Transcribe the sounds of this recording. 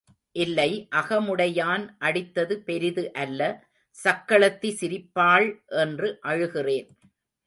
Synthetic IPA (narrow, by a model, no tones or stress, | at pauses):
ʔɪlːɐɪʔɐɣɐmʊɽɐjaːnʔɐɽɪt̪ːɐðɯpɛɾɪðɯʔɐlːɐ | sɐkːɐɭɐt̪ːisɪɾɪpːaːɭʔɛndrɯʔɐɻɯɣɪreːn